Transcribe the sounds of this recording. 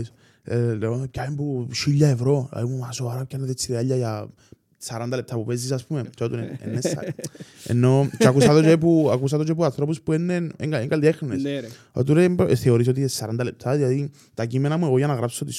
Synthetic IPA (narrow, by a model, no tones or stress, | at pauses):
s | eleonokaimpuʃiʎːaevɾoa̰imumasoaɾapkːanːeðet͡sːiɾeaʎːaja | saɾand̪alep̚t̪ʰapupes̬is̬aspumet͡ʃot̪uneḛnːesːa̰ḛnːot͡ʃakusat̪ot͡ʃep̬uakus̬at̪ot͡ʃep̬uanθɾop̬uspuenːeneŋɡaeŋɡald̪iexnes | o̰t̪uɾemθeoɾis̬ot̪iesːaɾand̪alep̚t̪ʰaðiaði | t̪akimenamueɣojanaɣɾapsot̪is